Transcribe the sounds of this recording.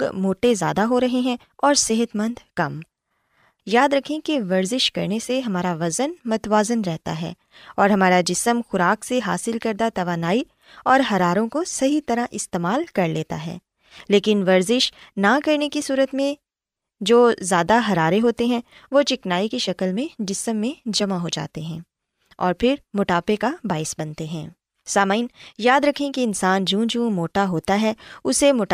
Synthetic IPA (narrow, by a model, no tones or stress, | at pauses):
ɡmoːʈezja̰ːd̪aɦoɾɐɦeɦɛ̃ | ɔːɾsɪɦət̪mɐ̃nd̪kɐm | jaːd̪ɾɐkʰːẽkeʋɐɾzɪʃkɐɾneseɦɐmaːɾaʋɐzənmɐt̪waːzənɾɛɦt̪a̰ɦɛ̰ː | ɔːɾɦɐmaːɾad͡ʒɪsəmxʊɾaːkseɦa̰ːsɪlkɐɾd̪at̪ɐʋaːnaːi | ɔːɾɦɐɾaːɾõkosɐɦit̪ɐɾãʔɪst̪eːmaːlkɐɾleːt̪a̰ɦɛ̰ː | leːkɪnʋɐɾzɪʃnakɐɾnekisuːɾət̪mẽ | d͡ʒoːzjaːd̪aɦɐɾaːɾeɦoːt̪eɦɛ̃ | ʋot͡ʃɪknaːikiʃɐkəlmẽɖɪsəmːẽd͡ʒɐmaɦod͡ʒa̰ːt̪eɦɛ̃ː | ɔ̰ːɾpʰɪɾmʊʈaːpekabaːɪsbɐnt̪eɦɛ̰̃ː | saːmaiːnjaːd̪ɾɐkʰẽkiɪnsaːnd͡ʒũːd͡ʒũːmoːʈaɦoːt̪aɦɛʊsemʊʈː